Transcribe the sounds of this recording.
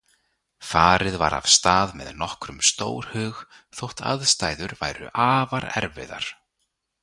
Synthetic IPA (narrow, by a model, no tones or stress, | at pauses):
faːɾɪðva̰ɾa̰v̥st̪aːðmɛðnɔhkɾʏmst̪oːwɾ̥hʏːx | θowht̪ʰa̰ðst̪aːjðʏɾvajɾʏ̰ʔaːvaɾɛ̰ɾvɪ̰ða̰ɾ̥